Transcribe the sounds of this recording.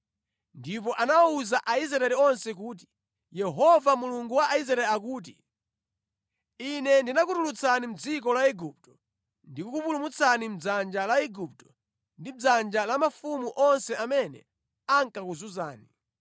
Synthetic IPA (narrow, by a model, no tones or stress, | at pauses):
ndip̬ɔʔanauzaʔaizɾaɛliɔnsɛk̬uːt̬i̥ | jɛɦɔvamuluŋɡuwaʔaiz̬ɾaɛliak̬uːt̬i | inɛndinakutulut͡sʰanim̩d͡zikɔlaɛɡup̚tɔ̥ | ndikukupulumut͡sʰanim̩d͡zand͡ʒalaɛɡup̚tɔ̥ | ndid͡zand͡ʒalamafumuʔɔnsɛamɛnɛ̰ | aŋkakuzuzaːni